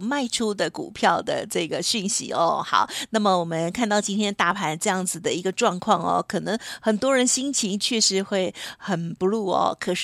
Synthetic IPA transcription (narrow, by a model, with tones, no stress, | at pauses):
ma˥˩ɪʈ͡ʂʰu˥d̪ə˨kṵ˨˩pʰjɑ˥˩ʊd̪ə̰˩ʈ͡ʂɤ˥˩ɡə˩ɕy˥˩nɕḭ˧˥ɔ̰˧xɑ̰˨˩˦ʊna˥˩mə˩wɔ˨˩mə˦nkʰa˥˧nt̪ɑ˥˩ʊt͡ɕi˥nt̪ʰjɛ˥nt̪a˥˩pʰa˧˥˦nʈ͡ʂɤ˥˧jɑ˥˩ŋd͡z̩˩d̪ə˩i˧˥ɡə˧ʈ͡ʂwɑ˥˧ŋkʰwɑ˥˩ŋɐ̰˩kʰɤ˨˩nɤ˧˦˥ŋxə˨˩nt̪wɔ˥ɻə˧˥nɕi˥ŋt͡ɕʰi˧˥ŋt͡ɕʰɥɛ˥˩ʂɻ̩˧˥xwe˥˩ɪxə˨˩npu˧˦lu˥˩ɔ̰˧kʰə˨˩ʂ